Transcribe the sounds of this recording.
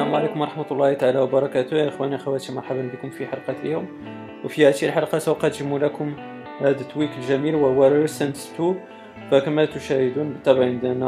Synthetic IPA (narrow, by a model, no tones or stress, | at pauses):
sæmʕalikʊmwɑɾˤɑħmæt̪lˤːɑhit̪aʕalæwbɑɾˤɑkæt̪ʊjæʔəxwæniʔəxæwæt̪imɑɾˤħabənbəkʊmfiħɑlqɑt̪ʔəjʊm | wfihæt̪ilħɑlqɑsæwqæt̪ʒəmːulækʊm | hæd̪ət̪ːwikəlʒæmilwəhʊwæɾsænt̪t̪ːub̚ | fækæmæt̪ʊʃæhəd̪unbət̪ːæbʕənd̪ænæ